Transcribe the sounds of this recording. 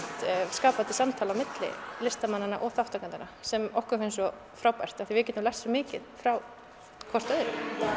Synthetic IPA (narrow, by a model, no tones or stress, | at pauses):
t̪skaːpat̪ɪ̥samt̪ʰaːlawmɪt̪lɪ̰lɪst̪amanːanːaʔɔɣθaft̪akant̪ɪnasɛmɔhkʏɾfejnsɔ | fɾaːwpajr̥t̪aθivɪc̬ɛːt̪ʏmlɛ̥sɔmɪːcɪðfɾaw | kʰɔr̥t̪œðɾʏ